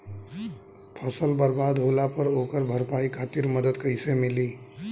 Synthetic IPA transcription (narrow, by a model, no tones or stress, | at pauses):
pʰəsəlbəɾbad̪ɦolapəɾokəɾbʱəɾpaikʰat̪iɾməd̪əd̪kəɪsemili